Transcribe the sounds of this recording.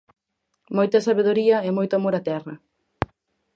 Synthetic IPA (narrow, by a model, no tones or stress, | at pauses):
mojt̪ɐsaβeðoɾiɐɛmojt̪ʊamoɾat̪ɛrɐ